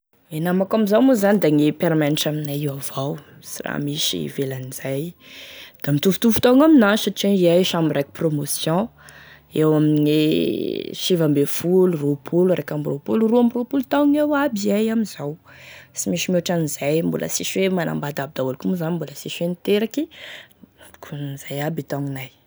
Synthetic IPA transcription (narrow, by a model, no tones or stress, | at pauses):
enamakamizawmuzanid̪aŋepeɾmɛniʈ͡ʂaminaiwavaw | sira̰miʃḭvelaniz̥aj | d̪̥amit̪uvut̪ufu̥t̪aŋaminaʃaʈ͡ʂeiajʃamiɾaki̥promosjɔ̃ | ewaminiŋe | ʃivambefuluropʰuluɾekʲamropuluruamropulut̪aŋewabiajamizawsimiʃimoʈ͡ʂanizajmbo̰lʔa̰siʃwemanã̰mbad̪ab̚id̪aulukumuzanimboləsiʃwenit̪eɾaki | au̥kʰunnz̥ajabit̪aŋinaj